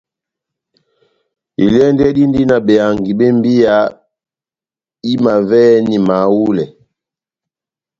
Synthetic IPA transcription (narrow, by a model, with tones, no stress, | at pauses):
i˨lɛ˦ndɛ˦di˦ndi˦na˨ɓɛ˨a˨ŋɡi˨bɛ˦m˦bi˦ja˨˦ | i˦ma˨vɛ˦ni˨ma˨wu˦lɛ˨